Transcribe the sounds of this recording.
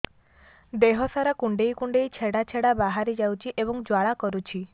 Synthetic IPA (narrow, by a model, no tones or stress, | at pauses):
d̪eɦɔsaɾakuɳɖejkuɳɖejt͡ʃʰeɽat͡ʃʰeɽabaɦaɾid͡ʒawt͡ʃʰiʔebɔŋd͡ʒwaɭakɔɾut͡ʃʰi